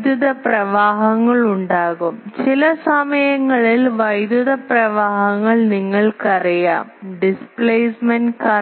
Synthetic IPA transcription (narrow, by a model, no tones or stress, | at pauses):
d̪juðɐprɐʋaːɦɐŋːɐɭuɳɖaːɣumt͡ɕilɐsɐmɐjɐŋːɐɭilʋɐjd̪juðɐprɐʋaːɦɐŋːɐɭniŋːɐɭkɐrijaːmɖispleːsmɐnkɐ